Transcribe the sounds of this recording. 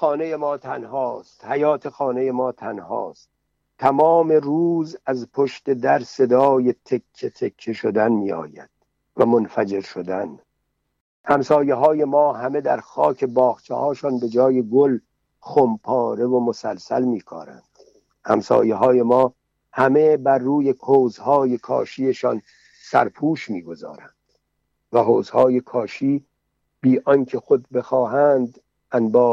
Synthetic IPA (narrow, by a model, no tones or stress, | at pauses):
xɒːnejemɒːt̪ʰænɦɒːst̪hæjɒːt̪ʰexɒːne̞jemɒːt̪ʰænhɒ̰ːst̪̚ | t̪ʰːæmɒːme̞ruːzæzpʰoʃt̪e̞d̪æɾse̞d̪ɒːjet̪ʰekʰːet̪ʰekʰːeʃod̪ænmiːɒ̰ːjæ̰d̪̥ | væmo̞nfæd͡ʒe̞ɾʃod̪æn | hæmsɒːjeɦɒːje̞mɒːɦæme̞d̪æɾxɒːkʰe̞bɒːɣt͡ʃʰḛhɒːʃɒːnbe̞d͡ʒɒːje̞ɡol | χompʰɒːɾe̞vomo̞sælsæ̰lmiːkʰɒ̰ːɾæ̰nd̪̥ | hæ̰msɒ̰ːjeɦɒːje̞mɒː | hæme̞bæɾːuːjekʰoːzhɒːjekʰɒ̰ːʃiːeʃɒːn | sæ̰ɾpʰuːʃmiːɡo̞zɒ̰ːɾænd̪̥ | væɦoːzhɒːjekʰɒːʃiː | biːʔɒnkʰexod̪be̞xɒːɦænd̪ | ænbɒː